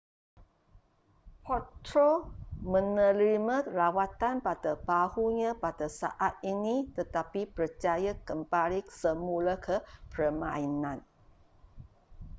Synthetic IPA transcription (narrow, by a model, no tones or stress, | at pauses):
pʰɔt̪ɾomə̃nəliməlawat̪anpadəbahuɲapadəsa̰ʔat̪̚init̪ət̪apipərt͡ʃajakəmbalisəmuləkʰəpərmã̰inãn